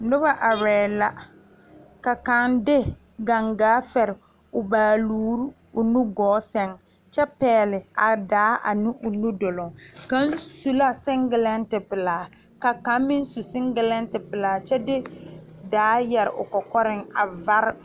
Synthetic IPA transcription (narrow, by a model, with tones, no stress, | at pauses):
nʊ˦ba˦ʔa˨ɾɛː˨la˦ | ka˨ka˨˦ndɪ˦ | ɡa˨ŋɡaː˨˦fɛ˨ɾɪ˨ | ʊ˨baː˨luː˦ɾ | ʊ˨nu˦ɡɔː˨˦sɛ˦ŋ | t͡ʃɛ˦pɛː˨˦˨lɪ˨a˨daː˨˦ʔa̰˨nu˦ʔʊ˨nu˦do˨lʊ˨ŋka˦n˦su˦la˦sɪ˦ŋɡɪ˨lɛ˦ntɪ˨pɪ˨laː˨˦ | ka˨ka˨˦m˦mɪ˦n˦su˨sɪ˦ŋɡɪ˨lɛ˦ntɪ˨pɪ˨laː˨t͡ʃɛ˦dɪ˦ | daː˨˦jɛ˨ɾɪ̰˨ʔʊ̰˨kɔ˨kɔ˦ɾɪ˦ŋa˨va˦ɾɪ˦